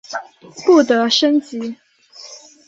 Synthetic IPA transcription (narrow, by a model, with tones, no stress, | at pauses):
pu˥˩t̪ɤ˧˦ʂə˦˥nt͡ɕi˨˥˦